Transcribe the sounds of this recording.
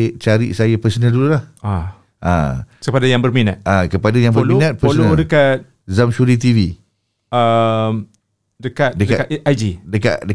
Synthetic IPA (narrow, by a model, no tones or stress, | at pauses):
t͡ʃaɾḭʔsajapəsənədululaha | ʔa̰əpadajaŋbərminat̪̚ʔakəpadajaŋbəɾmmiunãt̪̚pəsnədəkat̪̚ | zamʃuɾit̪̬ivi | əm | dəkat̪̚dəkdəakaajd͡ʒidəka̰ʔdə